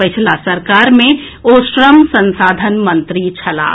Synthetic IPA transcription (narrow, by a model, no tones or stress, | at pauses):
ət͡ʃʰlasəɾkaːɾmẽ | oʃɾəmsə̃nsaːd̪ʱənmə̃nt̪ɾit͡ʃʰɐla̰ː